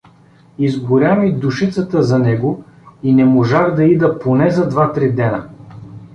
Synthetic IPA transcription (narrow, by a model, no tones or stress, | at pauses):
izɡʊɾʲjamid̪ʊʃit̪sət̪əzɐnɛɡo | inɛmoʒaɣd̪ɐid̪ɐponɛzɐd̪vat̪ɾid̪ɛnə